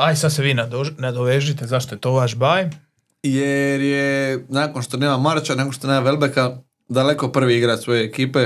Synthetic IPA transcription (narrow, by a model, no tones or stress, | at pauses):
ajsad̪seʋiːnad̪onad̪oʋeʒit̪e̞zaʃt̪ojet̪o̞ːʋaʃbaj | jeɾjenaːko̞nʃt̪oneːmamaɾt͡ʃaneɡoʃt̪onemaʋelbeka | d̪ale̞ko̞pr̩ʋiiɡɾat̪sʋo̞je̞ːkiːpe̞